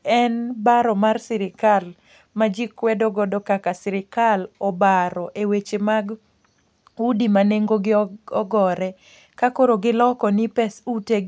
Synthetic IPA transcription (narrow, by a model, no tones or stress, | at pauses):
ɛnbaɾɔmarsɪɾɪkal | mad͡ʒikwɛdoɡɔdɔkakasɪɾɪkalɔbaɾɔʔewet͡ʃemaɡ | udimaneŋɡoɡɪɔɔɡɔɾɛ | kakoɾoɡɪlɔkɔnipɛsuteɡ